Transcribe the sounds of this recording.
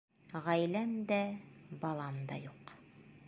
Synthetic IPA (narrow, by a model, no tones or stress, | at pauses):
ʁæjlæmd̪æbɑlˠɑmd̪ɑ̰juq